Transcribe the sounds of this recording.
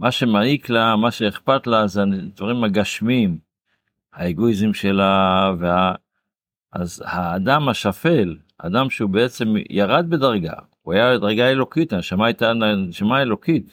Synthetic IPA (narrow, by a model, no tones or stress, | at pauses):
maʃe̞maiklamaʃeːχpat̪lazed̪vaʁimhaɡaʃmim | haeɡo̞izemʃe̞lavea | ʔazhaːdamaʃafe̞l | a̰d̪amʃeubeet͡se̞mjaʁad̪̚be̞d̪aʁɡa̰ | uajabed̪aʁɡae̞lo̞kit̪haneʃamaajt̪anneʃamae̞lo̞kit̪